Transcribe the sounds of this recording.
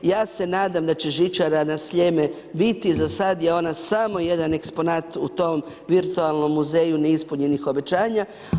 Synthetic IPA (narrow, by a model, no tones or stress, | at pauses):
jaːse̞naːd̪amd̪at͡ɕe̞ʒit͡ʃaɾanasʎeme | bit̪izasad̪jeo̞nasamo̞je̞d̪ane̞kspo̞naːt̪ut̪o̞m | ʋiɾt̪ualˠno̞mːuze̞ːjuneispuɲe̞nixo̞be̞t͡ɕaːɲa